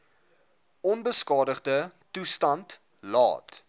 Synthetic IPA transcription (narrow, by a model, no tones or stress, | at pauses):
ɔnbəskɑːdəχdə | tustɐnt | lɑ̰ːt